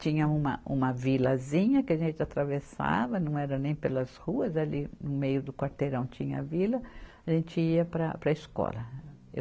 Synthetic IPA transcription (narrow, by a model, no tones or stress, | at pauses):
t͡ʃĩɲɐũmɐ̰ʔũmɐvilɐzĩɲɐkɪaʒẽnt͡ʃɪat̪ɾavesa̰vɐnɐ̃w̃ɛɾɐnẽj̃pelɐshuɐzalinʊmejʊd̪ʊkwaɾt̪eɾɐ̃w̃t͡ʃĩɲɐɐvilɐaʒẽnt͡ʃɪiɐpɾɐ̰pɾɐiskɔ̰lɐ | ḛ